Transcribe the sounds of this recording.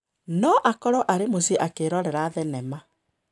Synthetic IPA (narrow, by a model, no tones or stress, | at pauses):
nɔʔakɔɾɔʔaɾemosiʔakeːɾɔɾɛɾaːðɛnɛma